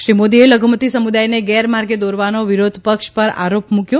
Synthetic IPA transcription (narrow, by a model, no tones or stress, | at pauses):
ʃɾimod̪ieləɡʱumət̪isəmud̪ajneɡɛɾmaɾɡed̪oɾʋanoʋiɾod̪ʱpəkʃpəɾa̰ɾopmũkjo